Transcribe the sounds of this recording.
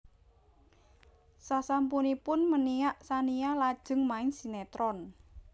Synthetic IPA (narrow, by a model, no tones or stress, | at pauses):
sasampunipʊnmənijaʔsanijalad̥ʒ̥ə̤ŋmaɪnsinet̪ɾɔn